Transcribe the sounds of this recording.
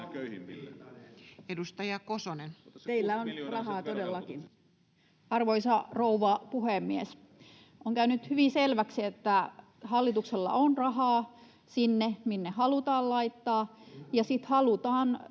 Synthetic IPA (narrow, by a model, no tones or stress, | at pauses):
edust̪ɑjɑkosonent̪eilːæonrɑɦɑːt̪odelːɑkin | ɑrʋoisɑrouʋɑpuhemːies | ʔoŋkæynyt̪hyʋiselʋæksiet̪ːæ | hɑlːit̪ukselːɑ̰ʔonrɑɦɑː | sinːeminːehɑlut̪ɑːllɑit̪ːɑːjɑsit̪hɑlut̪ɑːn